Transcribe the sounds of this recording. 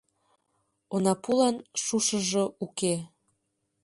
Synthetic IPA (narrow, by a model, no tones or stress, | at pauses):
onɑpulɑnʃuʃəʒouke